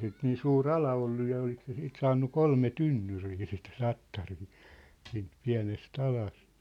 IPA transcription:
sit niːn suːr ɑlɑ olːu jɑ olik se siːt sɑːnːu kolme tynːyriː sit tɑtːɑriː siːnt piæ̝nest ɑlɑst

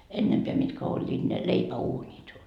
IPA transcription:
enːempeæ mitkæ olʲːiːt ne leipæuːnʲit

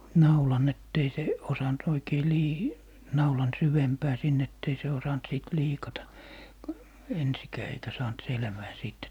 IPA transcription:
nɑulɑn etː ei se osɑnt oikei liː nɑulɑn syʋempæː sin etː ei se osɑnt siˑt liːkɑtɑ ensikæː eikæ sɑːnt selʋæː siːt

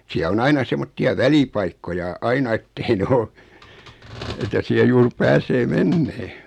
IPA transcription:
siæ o ɑinɑ semːotːiɑ ʋælipɑikːojɑ ɑinɑ etːei nĕ o etæ siæ juːr pæːseː menːeː

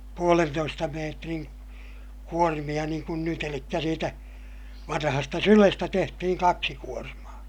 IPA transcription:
puolentoistɑ meːtriŋ kuormij̆ɑ niːŋ kun nyt elikːæ siːtæ ʋɑnɑhɑstɑ sylestæ tehtihiŋ kɑksi kuormɑː

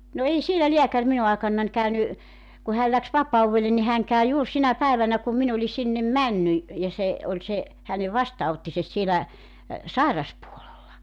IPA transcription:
no ei sielæ liækær minu ɑekɑnːɑnʲ kæyny ku hæːl læks ʋɑpɑuwʋelːe ni hæŋ kæy juːr sinæ pæiʋænæ kum min olʲi sinːem mænːy jɑ se olʲ se hæneʋ ʋɑstɑːotːises sielæ sɑˑirɑspuolelːɑ

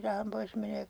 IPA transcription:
rɑhɑm pois j̆ɑ̆ meniʋæk

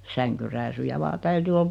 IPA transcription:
sæŋkyræːsyjæ ʋɑː tæyty ol

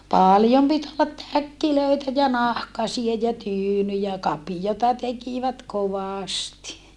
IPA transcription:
pɑˑljom pit olːɑt tækːiløitæ jɑ nɑhkɑsie jɑ tyːnyjæ kɑpijotɑ tekiʋæt koʋɑˑsti

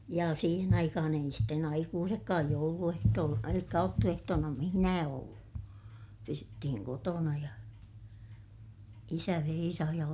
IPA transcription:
jɑ siːhen ɑikɑhɑn ei sitːen ɑikuːsekːɑːj jouluehtoːl elikːæ ɑutːuehtoːnɑ mihĭnæː olːu pysytːihiŋ kotonɑ jɑ isæ ʋeisɑh jɑ

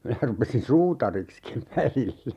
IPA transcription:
minæ rupesin suːtɑrikskiʋ ʋælilːæ

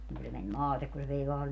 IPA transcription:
niŋ ku se men mɑːtek ku se ʋei ʋɑː

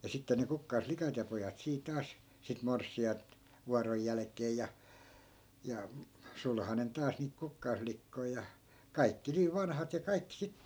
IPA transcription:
jɑ sitːe ne kukːɑisflikɑt jɑ pojɑt siː tɑːs sit morsˑiɑi̯nt ʋuɑroj jælæ̆kˑeːj jɑ jɑ sulhɑnen tɑːs niːt kukːɑisflikːoi̯ jɑ kɑikːi niːʋ ʋɑnhɑt jɑ kɑikːĭ sitːe̥

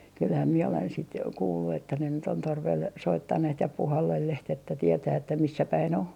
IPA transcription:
kylhæm miɛ olen sit kuːlːu etːæ ne nyt on torʋel soitːɑnːeht jɑ puhɑlːelːeht etːæ tietæː etːæ misːæ pæin o

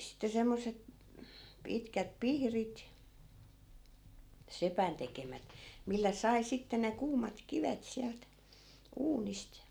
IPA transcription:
sitːe semːoset pitkæt pihrit sepæn tekemæt milːæ sɑi sitːe ne kuːmɑt kiʋet siælt uːnist

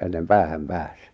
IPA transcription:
enːem pæːhæm pæːs

